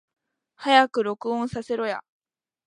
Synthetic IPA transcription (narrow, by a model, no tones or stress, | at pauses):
hajakɯ̟ɾo̞kɯ̟õɰ̃sase̞ɾo̞ja̰